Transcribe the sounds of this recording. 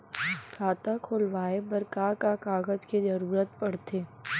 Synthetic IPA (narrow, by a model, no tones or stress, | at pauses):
kʰaːt̪akʰʊːlʋaːebəɾkakakaːɡəd͡ʒkizɐɾuːɾət̪̚pɐɽ̤t̪eː